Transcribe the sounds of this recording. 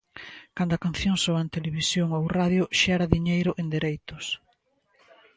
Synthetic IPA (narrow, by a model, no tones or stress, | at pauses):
kand̪ʊɐkanθjoŋsoant̪eleβisjoŋowraðjʊʃɛɾɐðiɲejɾʊʔend̪eɾejt̪ʊs